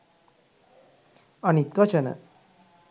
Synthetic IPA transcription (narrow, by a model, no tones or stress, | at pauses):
ɐnit̪ʋɐt͡ʃɐnə̰